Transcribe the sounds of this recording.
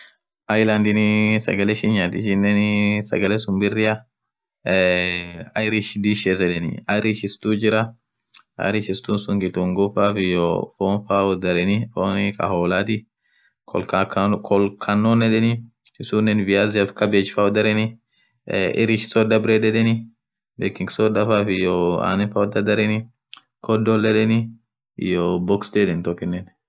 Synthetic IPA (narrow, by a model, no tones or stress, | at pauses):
ʔajland̪ɪnɪsɐ̰ɡɐlɛʃɪɲaːt̪ɪʃɪnːɛnsɐ̰ɡɐlɛsʊmbɪrːɪjɐ | ɐjɾɪʃd̪iʃeːs̬ɛᶑɛnɪ̰ɐɾɪʃɪst̪uːd͡ʒɪɾɐ | ʔɐ̰ɾɪʃɪst̪uːnsʊŋɡɪt̪uːŋɡɔfaːfɪjɔfoːnfaːɔd̪ɐɾɛnɪfoːnɪkʼɐ̰hoːlaːt̪ɪ | kʰɔlkkʰɔlkʰɐnːonːɛᶑɛnɪ | ɪsuːnːɛnvɪjazɪɐfkɐbeːt͡ʃfawɔd̪ɐɾɛnɪ | ʔɪ̰ɾɪʃsɔd̪ɐbɾeᶑɛᶑɛnɪ | beːkɪŋɡsɔd̪ɐfaːfɪjɔa̰ːnɛnfaɔd̪ɐd̪ɐɾɛnɪ | kɔd̪ɔlːɛᶑɛnɪ | jobɔksd̪ɛᶑɛnt̪ɔkːɪnːɛn